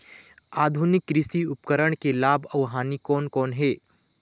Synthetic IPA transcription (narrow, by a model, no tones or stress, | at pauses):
aːd̪ʱunɪkːɾɪsiʊpkəɾəɽ̃kelaːbʱɐʋɦaːnikɔːnkɔːnɦeː